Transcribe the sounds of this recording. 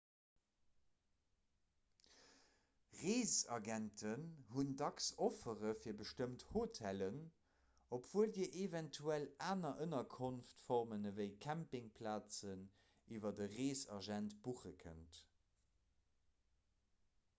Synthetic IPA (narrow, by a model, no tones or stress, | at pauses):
ʁeːzɑ̰ɡæntʰənhundɑksofəʁəfiːɐbəʃtəmthotʰælən | opʰv̥uəldiːəʔevɛntʰuælaːnɐʔənɐkʰonftfɔʁmənəvəɪkʰæmpɪŋpʰlaːt͡sən | iːvɐdəʁeːsɑ̰ʒæntb̥uχəkʰə̰nt